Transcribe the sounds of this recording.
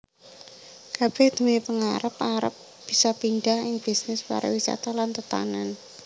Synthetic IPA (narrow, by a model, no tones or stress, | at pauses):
kab̥ɛhd̪̥əwipəŋaɾəpaɾə̰p̚ | b̥isapinɖahɪŋb̥isnɪspa̰ɾa̰wisa̰t̪alant̪ət̪a̰nan